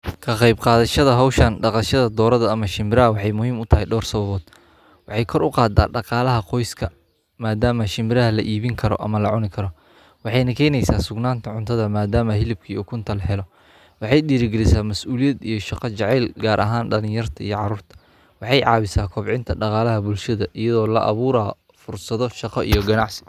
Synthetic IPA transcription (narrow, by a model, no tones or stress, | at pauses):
kʰɐqɑjbqɑːðɐʃɐðɐɦɔwʃɐnɖɑqɑʃɐðɐd̪ɔːɾɐðɐɐmɐʃɪmɪɾɐɦɐwɑħɑjmʊhiːmʊt̪ʰɐɦɛjɖɔːrsɐβɐβɔːd̪̥ | wɑħɑjkʰɔɾʊqɑːd̪a̰ːɖɑqɑːlɐɦɐqɔjskʰɐ | maːd̪aːmɐʃɪmɪɾɐɦɐlɐʔiːβɪŋkʰɐɾɔ̰ʔɐ̰mɐlɐʕʊnɪkʰɐɾɔ | wɑħɑjnɐkʰɛːjnɛjsaːsʊɡnaːnt̪ʰɐʕʊnt̪ʰɐðɐmaːd̪aːmɐɦɪlɪb̚kʰiːuːkʰʊnt̪ʰɐlɦɛlɔ | wɑħɑjɗiːɾɪɡɛɾɪsaːmɐsʔuːlijɛd̪ijɞʃɑqɑt͡ʃɑʕɛːlɡaːɾʔɐɦaːnɖɐlɪ̃jɐrt̪ʰɐḭjɔʕɑɾuːrt̪ʰɐ̥ | wɑħɑjʕɑːβɪsaːkʰɔbʕɪnt̪ʰɐɖɑqɑːlɐɦɐbʊlʃɐðɐʔɪjɐðɔːlɐʔɐ̰βuːɾaː | fʊrsɐðɔʃɑqɐʔḭjɔɡɐnɑʕsɪ̥